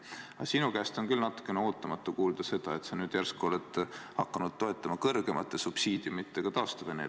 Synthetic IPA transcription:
ɑsinukæst̪o̞nkylnɑt̪ːˑu̥kːˑe̞neo̞ːt̪ːˑɑmɑt̪ːˑukuːld̪̥ɑse̞d̪̥ɑe̞t̪sɑnyːd̪̥jærskolet̪ːhɑkːˑɑnud̪̥̚t̪ːo̞et̪ːˑɑmɑkɤrɡ̥e̞mɑt̪ˑːe̞supsiːd̪̥ʲjumit̪ːˑe̞ɡ̥ɑt̪ɑːst̪ɑve̞nḛl

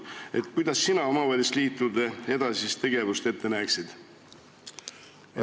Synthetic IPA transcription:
e̞t̪ːˑkujd̪̥ɑsːinɑo̞mɑvæːlʲist̪liːt̪ːˑud̪ee̞d̪̥ɑsist̪e̞ɡ̥e̞vust̪e̞t̪ːe̞næksid̪̥

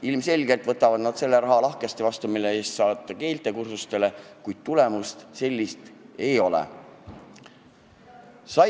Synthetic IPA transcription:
ilmse̞lʲɡe̞lt̪vɤt̪ːˑɑvɑd̪̥nɑd̪̥se̞lːe̞ɾɑɦɑlɑhkest̪evɑst̪umilːeeːst̪sɑːt̪ːˑɑke̞ːlt̪ˑe̞kursust̪e̞le̞kujd̪̥̚t̪ulemust̪se̞lʲːist̪e̞jo̞lḛ | sɑ

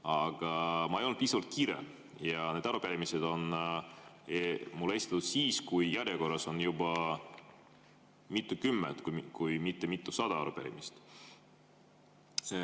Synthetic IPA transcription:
ɑɡ̥ɑmɑejonu̥viːsɑvɑlt̪̚kiːɾḛ | jɑne̞ːd̪ɑɾupeɾimised̪o̞n | mulːe̞si̥t̪ɑt̪ud̪̥siːskujjæɾjeko̞rːɑso̞njubɑ | mit̪ːˑukymːḛt̪kukujmit̪ːe̞mit̪ˑːusɑd̪ɑɑ̰ɾupḛɾḭmist̪

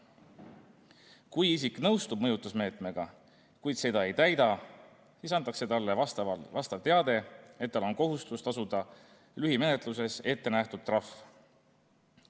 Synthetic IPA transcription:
kujisikːˑnɤwst̪ub̥̚mɤ̞jut̪ːˑusme̞ːt̪me̞ɡ̥ɑ | kujd̪se̞d̪ɑe̞jt̪æjd̪ɑ | sisɑnt̪ːˑɑkse̞t̪ɑlːevɑvɑst̪ɑvt̪e̞ɑd̪e̞e̞t̪̚d̪ɑlo̞nko̞ɦust̪ust̪ɑsud̪̥ɑ | lyɦime̞net̪ˑluse̞se̞t̪ːe̞næht̪ud̪̚t̪ːrɑf

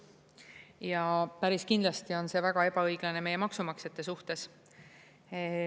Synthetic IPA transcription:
jɑpæɾiskind̪lɑst̪io̞nse̞væɡ̥ɑe̞bɑɤjɡ̥lɑne̞me̞jemɑksumɑkset̪ːˑesuht̪e̞s

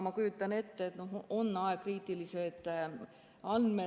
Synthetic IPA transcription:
mɑkujut̪ˑːɑne̞t̪ːeet̪no̞ɦonːɑek̚riːt̪ˑilise̞d̪̥ | ɑnme

